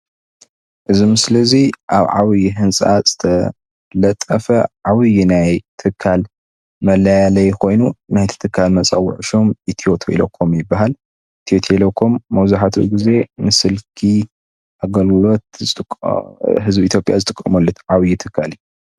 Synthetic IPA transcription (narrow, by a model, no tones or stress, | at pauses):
ʔɨzimɨsɨlɐziʔaβʕa̰wɨjiɦɨnsʼaz̥ɨt̪ʰɐ | lɐt̪ʼːɐfɐʕawɨjinajt̪ʰɨkʰːal | mɐlajalɐjkʰo̞jnunajt̪ʰɨ̥t̪ʰɨkʰːalmɐt͡sʼɐwʊ̰ʕʃo̞mʔit̪ʰio̞t̪ʰoʔḭlɐkʰːomjɪbːaɦal | it̪ʰio̞t̪ʰelokʰːomːɐwzaħat̪ʰṵɡize̞nɨsɨlkʰi | ʔaɡɐllo̞t̪zɨt̪ʼɦɨzbit̪ʰjo̞pʼjazɨt̪ʼɨkʼːɐmɐlːut̪ʕawjit̪ʰɨkʰːalij